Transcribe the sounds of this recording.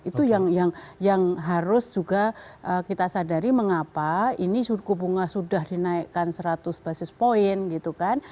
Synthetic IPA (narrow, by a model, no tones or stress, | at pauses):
it̪ujaŋjaŋjaŋɦaɾʊsd͡ʒuɡaʔəkit̪asadaɾiməŋapainisukubuŋahsudahdinaɪkːansəɾat̪ʊsb̥asɪspoɪnɡit̪ukan